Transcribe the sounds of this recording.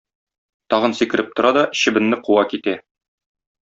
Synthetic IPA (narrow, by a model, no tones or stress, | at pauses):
t̪ɒʁɤ̆nsikɘ̆ɾʔɘp̚t̪ŏɾɑd̪ɒɕɘ̆bɘ̆nːɘquwɑkit̪æ